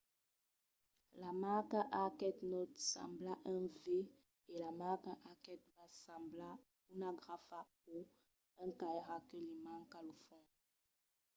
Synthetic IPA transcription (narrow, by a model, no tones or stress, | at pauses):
lamakãʔakɛt̪nɔtsã̰mblaʔɛ̃ve | elamakãʔakɛt̚vasãmbla | unãɡʁafapo | ɛ̃kajʁakelimãŋ̩kalofɔ̃